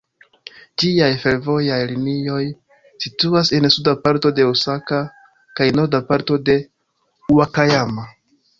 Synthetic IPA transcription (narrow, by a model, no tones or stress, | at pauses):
d͡ʒiajfe̞ɾvo̞jajlinio̞j | situase̞nsudapaɾto̞de̞osaka | kajno̞ɾdapaɾto̞de̞ | uakajama